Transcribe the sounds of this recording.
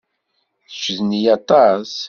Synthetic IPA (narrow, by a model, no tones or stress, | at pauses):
θt͡ʃːðnijɑt̪ˤɑs